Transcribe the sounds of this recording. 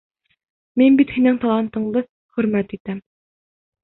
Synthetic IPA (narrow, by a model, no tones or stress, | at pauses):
minbit̪hinɘŋt̪ɑlˠɑnt̪ɤ̆ɴd̪ɤ | χɵ̆ɾmæt̪it̪æm